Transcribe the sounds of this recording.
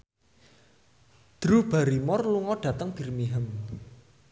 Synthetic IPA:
d̪̥ɾub̥aɾimɔrluŋɔɖ̥ä̤t̪əŋb̥i̤rmiɦəm

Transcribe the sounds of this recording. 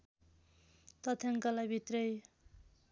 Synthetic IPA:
t̪ʌt̪ʰjaŋkʌlajbʱit̪rʌj

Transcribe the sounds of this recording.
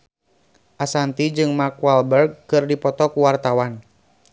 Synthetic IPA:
ʔasant̪id͡ʒɨŋmakwalbɛrɡ̚kɨrdipɔt̪ɔkuwart̪awan

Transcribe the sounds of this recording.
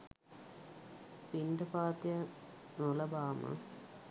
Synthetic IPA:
piɳɖəpaːt̪jə | nolɐbaːmə̰

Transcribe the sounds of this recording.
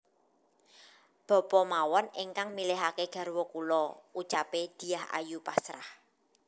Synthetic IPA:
b̥ɔ̤pɔmawɔneŋkaŋmileɦakeɡ̥a̤rwɔkulɔut͡ʃaped̪̥i̤aha̰jupasɾa̰h

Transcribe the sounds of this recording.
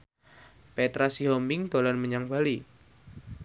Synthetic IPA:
pet̪ɾasiɦɔmbɪŋd̪̥o̤lanməɲaŋb̥ali

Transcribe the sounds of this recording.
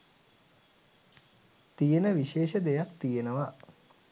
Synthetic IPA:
t̪ijenəʋiʃeːʃəd̪ejak̚t̪ijenəʋa

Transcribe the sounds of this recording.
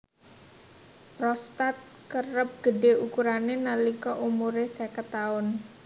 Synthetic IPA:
pɾɔst̪at̪̚ | kərəp̚ɡ̥əɖeukuɾanenalikɔʔumuɾesɛkət̪aʊn

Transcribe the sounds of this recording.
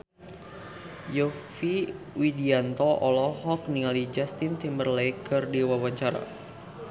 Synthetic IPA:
jɔfi | widiant̪ɔɔlɔhɔk̚nialid͡ʒast̪int̪imbərlejkərdiwawaɲt͡ʃaɾa̰

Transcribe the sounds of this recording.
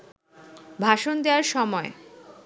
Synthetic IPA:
bʱaʃond̪ewaɾʃɔmɔe

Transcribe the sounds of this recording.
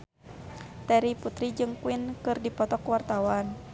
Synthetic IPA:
t̪ɛɾiput̪ɾid͡ʒɨŋkuinkɨrdipɔt̪ɔkwart̪awan

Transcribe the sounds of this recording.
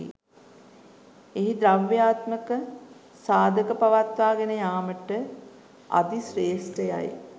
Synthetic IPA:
ḭ | eɦid̪ɾaʋːjaːt̪məkə | saːd̪ʱəkəpaʋat̪ʋaːɡenəjaːməʈə | a̰d̪isɾeːsʈəja̰j

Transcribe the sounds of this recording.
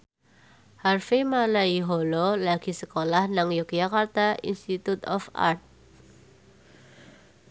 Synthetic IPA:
harfemalaiɦololaɡ̥isəkolahnaŋjokd͡ʒakart̪aḭnst̪it̪ut̪ɔfa̰rt̪̚

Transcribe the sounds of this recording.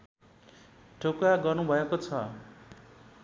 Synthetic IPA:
ʈʰokaɡʌrnubʱʌekot͡sʰʌ

